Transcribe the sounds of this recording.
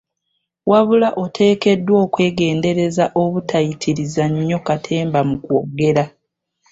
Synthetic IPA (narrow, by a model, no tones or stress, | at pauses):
waβulaʔo̞tʰe̞ːke̞dːwo̞ːkwe̞ːɡe̞ːnde̞ɾe̞zaʔo̞βutʰajitʰiɾizaɲːo̞katʰe̞ːmbamukwoɡe̞ɾa